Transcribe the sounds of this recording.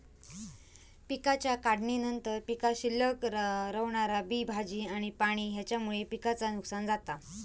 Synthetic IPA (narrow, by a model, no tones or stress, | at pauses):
pikat͡ɕjakaɽɳinənt̪əɾpikaɕilːəkɾəʋɳaɾabiːbʱad͡ʑiːaɽ̃ipaɽ̃iːɦjat͡ɕjamuɭepikat͡sanuksand͡zat̪a